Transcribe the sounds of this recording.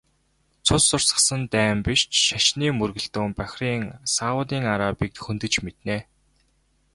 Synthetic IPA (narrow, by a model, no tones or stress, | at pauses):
t͡sʰʊsːʊr̥sə̆sə̆nt̪æːmpiʃt͡ɕʃaʃniːmɵrɣɘ̆ɮt̪uːmpæxʲriːŋsawʊt̪iːŋaɾaːpiːk̚t̪xɵnt̪ɘ̆t͡ɕmet̪neː